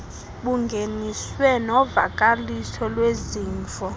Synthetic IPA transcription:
ɓuŋɡʱeniswɛnɔva̰kʼalisʰɔlweziːɱfɔ

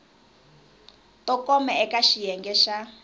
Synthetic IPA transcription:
tɔkɔmɛɛkaʃijɛŋɡɛʃa

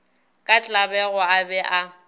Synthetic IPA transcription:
kʼat͡ɬʼabɛɣɔabɛʔa

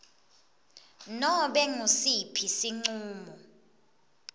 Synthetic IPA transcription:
nɔɓɛŋusipʰisiŋ͡ǀuːmɔ

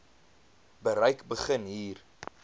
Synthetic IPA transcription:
bəɾəjkbəχənɦiːr

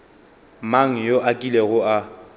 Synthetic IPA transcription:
maŋ̩joʔakʼileɣʊa

